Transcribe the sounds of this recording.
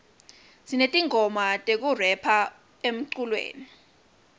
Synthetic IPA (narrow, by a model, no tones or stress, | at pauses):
zinetʼiŋʱɔmatʼek̬urɛpʰa | em̩ǀulwḛːni